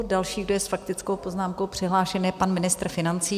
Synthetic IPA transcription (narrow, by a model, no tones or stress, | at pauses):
dalʃiːɡdojɛsfakt̪ɪt͡skowpo̞znaːmko̞wpr̝̥ɪɦlaːʃɛnjɛpanmɪnɪst̪ɾ̩fɪnant͡siː